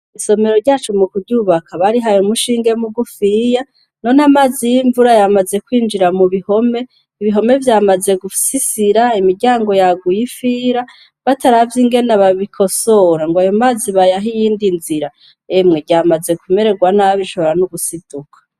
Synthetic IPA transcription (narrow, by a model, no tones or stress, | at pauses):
iso̞me̞ɾo̞ɾɟaːt͡ʃumukuɾɟuːβakʰaβaɾiɦajomuʃiːŋɡe̞muɡufiːja | no̞namaːzijiɱvuɾajamaze̞kwiːnd͡ʒiɾamuβiho̞me̞ | iβiɦo̞me̞vjaːmaze̞ɡusisiɾaimiɾɟaːŋɡo̞jaɡujifiɾa | βataɾavjiŋɡe̞naβaβikʰo̞soɾaŋɡajo̞maːziβajaɦijiːndinziɾa | emŋeɟaːmaze̞kume̞ɾe̞ɡwanaβiʃoβoɾanuɡusid̥ukʰḁ